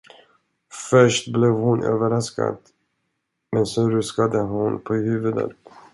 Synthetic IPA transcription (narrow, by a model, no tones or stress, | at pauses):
fœʂʈblɛvhʊnʔø̰ːvəɾaska̰d̪̥ | mɛnsɔɾɵskad̪əɦʊnpʰɔhʉ̟ːvɵd̪ə̰t̪